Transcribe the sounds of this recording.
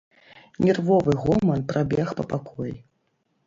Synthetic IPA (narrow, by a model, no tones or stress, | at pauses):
nʲɛrvɔvɨɣɔmɐnpɾʔabʲɛxpɐpakʰɔji